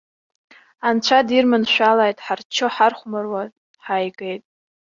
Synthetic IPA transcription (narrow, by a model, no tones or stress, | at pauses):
ant͡ɕʷʰadirmɨnʃʷᶣalajtʼħart͡ʃʰoħarχʷmɨrwa | ħajɡʼejtʼ